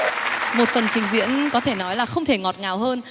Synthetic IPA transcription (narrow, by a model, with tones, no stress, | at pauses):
mo˨˩t̚fə˨˩nt͡ɕï˨˦ŋ̟zḭ˧˥ənkɔ˨˦t̪ʰe˧˩nɔ˨˦jlaː˨˩xə˧wŋ͡mt̪ʰe˧˩ŋɔ˨˩t̚ŋaː˨˩wɦəː˧n